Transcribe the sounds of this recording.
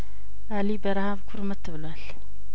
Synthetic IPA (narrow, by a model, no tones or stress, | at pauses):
ʔalibəɾahaβkʰuɾmɐt̪ʰːɨβlwal